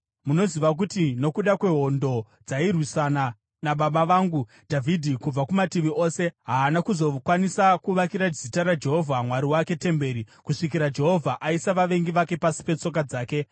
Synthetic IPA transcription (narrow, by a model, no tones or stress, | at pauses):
muno̞ziʋak̬utino̞kuɗakwe̞ɦo̞ndo̞ | d͡zairwisana | naɓaɓaʋaːŋɡu | d̥ʱavʱidʱikub͡vakumatiʋiʔo̞ːse̞ɦaːnakuzo̞kwanisakuʋakiɾad͡zitaɾad͡ʒe̞ɦo̞vʱamwaɾiwake̞te̞mbe̞ːɾi | kuʂikiɾad͡ʒe̞ɦo̞vʱaʔaisaʋaʋe̞ŋɡiʋake̞pasi̥pe̞t͡so̞k̬ad͡zaːke̞